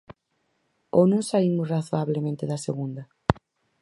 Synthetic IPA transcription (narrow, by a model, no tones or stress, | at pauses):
onõsaimʊsraθoaβlemẽnt̪eðaseɣund̪ɐ